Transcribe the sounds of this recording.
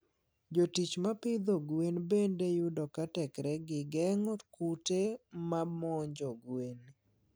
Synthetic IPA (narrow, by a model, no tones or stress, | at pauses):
d͡ʒotit͡ʃmapɪd̪oɡwenbendejudɔkatɛkɾɛɡɪɡɛŋɔtkutemamɔɲd͡ʒɔɡwen